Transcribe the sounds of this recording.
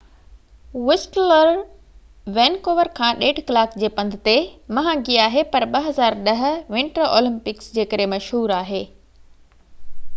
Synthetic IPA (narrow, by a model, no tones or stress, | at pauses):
wɪsʈləɾ | ʋeːnkoːʋəɾkʰãːɗeːʈkɐlaːkd͡ʑeːpɐ̃nd̪ʱɪt̪emɐɦãːɡiaːɦepɐɾɓɐɦɐzaːɾɗɐɦ̆ʋɪ̃ɳʈəɾo̰ːlɪ̃mpɪksd͡ʑeːkɐɾẽmɐʃɦuːɾaːɦeː